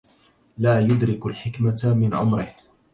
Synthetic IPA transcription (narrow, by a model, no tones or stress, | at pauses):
laːjʊd̪ɾɪkalħɪkmamɪnʔa̰mɾɪh